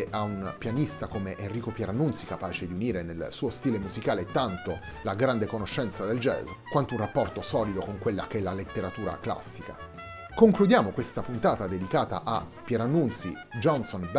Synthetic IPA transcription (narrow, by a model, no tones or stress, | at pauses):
ʔaunpjanist̪akomeʔenriːkopjɛɾanːunt̪sikapaːt͡ʃed̪iuniːɾenelsuːost̪iːlemuzikaːleɛt̪ːant̪o | laɡɾand̪ekonoʃːɛnt̪sad̪eld͡ʒɛ̰zkwant̪ounrapːɔrt̪osɔːlid̪okoŋkwelːakeɛlːalet̪ːeɾat̪uːɾa̰kla̰sːika | koŋklud̪jaːmokwest̪apunt̪aːt̪ad̪ed̪ikaːt̪a̰ʔapːjɛɾanːunt̪sḭ | d͡ʒɔnsonb